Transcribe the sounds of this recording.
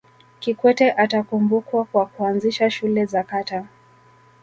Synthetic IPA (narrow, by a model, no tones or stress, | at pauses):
kikwɛtɛʔatakumbukwakwakuanziʃaʃulɛzakata